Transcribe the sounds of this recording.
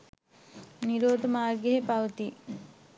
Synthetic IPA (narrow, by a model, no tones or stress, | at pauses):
niɾoːd̪əmaːrɡeɦepaʋət̪i